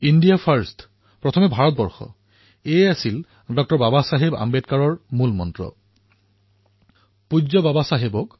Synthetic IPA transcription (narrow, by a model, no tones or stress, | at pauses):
indijapʰaɹst | pɹɔt̪ʰɔmɛbʱaɹɔt̪̚bɔɹxɔ̰ | easil | dɔk̚tɔɹbabasaɦeba̰mbetkaɹɔɹmulmɔntɹɔ̰ | puzɔbabasaɦebɔk